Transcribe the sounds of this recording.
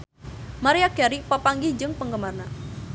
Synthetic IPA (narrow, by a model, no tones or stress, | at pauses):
maɾiaɡaɾipəpaŋɡid͡ʒɨŋpəŋɡəmarna